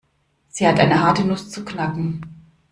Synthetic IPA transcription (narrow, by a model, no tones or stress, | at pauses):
z̥iːhatʔa̰ɪnəɦaɐtənʊst͡suknakŋ̩